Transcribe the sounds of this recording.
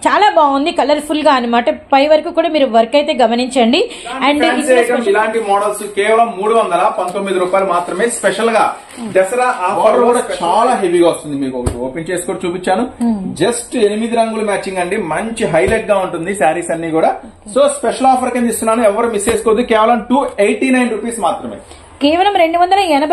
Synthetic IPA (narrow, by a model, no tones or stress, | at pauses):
t͡ʃaːlaːbaːɡund̪ikɐlɐɾpʰulɡaːɐnɐmaːʈɐpɐjʋɐɾɐkuːkuːɽaːmiːɾuʋɐɾɐkɐjt̪e̞ːɡɐmɐniɲt͡ʃɐɳɖi | ɐɳɖeʈɐilaːɳʈimɔːɽɐlskeːʋɐlɐmːuːɽuʋɐnd̪ɐlɐpɐnt̪o̞mːid̪iɾuːpaːjlumaːt̪ɾɐme̞ːspɛʂɐlɡaː | d̪ɐsɐɾaʔaːɐɾkuːɽat͡ʃaːlaːɦeʋiːɡaːust̪und̪imiːkuɔkɐoːpent͡ʃe̞ːsu̥koːɽut͡ʃuːpit͡ʃːaːnud͡ʒɐsʈenimid̪iɾɐŋɡuːlɐmaːt͡ʃiŋɡɐɳɖimɐɲt͡ʃiɦɐjlek̚ɡaːuɳʈund̪isaːɾiːsɐnːiːkuːɽaː | soːspeʃɐlaːpʰɐɾkɐnd̪ist̪unːaːnuɛʋːɐɾumist͡ʃe̞ːsu̥kod̪ikɛːʋɐlɐmʈuːejʈːiːnɐjnɾupiːsmaːt̪ɾɐmḛː | keːʋɐlɐmɾeɳɖuʋɐnd̪ɐlɐɛnɐb